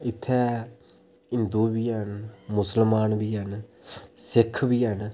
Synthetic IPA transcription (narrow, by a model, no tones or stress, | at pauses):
ɪt̪ʰːɛː | ɪnd̪uːbiːənmʊsəlmaːnbiːən | sɪkʰbiːɦən